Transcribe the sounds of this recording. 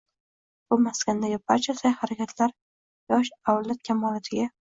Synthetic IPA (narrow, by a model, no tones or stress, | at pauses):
b̥ʊmaskʲand̪aɡʲɪb̚aɾt͡ʃʰasajhaɾakʲʰat̪ʰlaɾ | jɒʃawlat̪̚kʲʰamɒlat̪ʰɪɡʲa